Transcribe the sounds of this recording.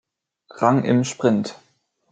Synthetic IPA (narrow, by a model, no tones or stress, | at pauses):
ʁaŋʔɪ̰mʃpʁ̥ɪnt